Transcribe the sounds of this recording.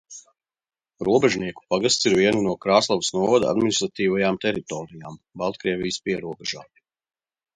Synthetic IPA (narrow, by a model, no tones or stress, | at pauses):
ɾuɔbɛʒniɛku̥paɡast̪siɾviɛnunuɔkɾaːslˠɔʋəsnuɔvad̪a̰d̪minist̪ɾat̪iːvajaːmt̪ɛɾit̪ɔːɾijaːmbalˠt̪kɾiɛʋijəspiɛɾuɔbɛʒaː